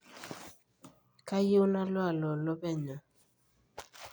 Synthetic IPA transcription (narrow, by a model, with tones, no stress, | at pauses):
ka˦je˦wna˦lwa˦˨lɔ˨lɔ˦pɛ˦ɲɔ˨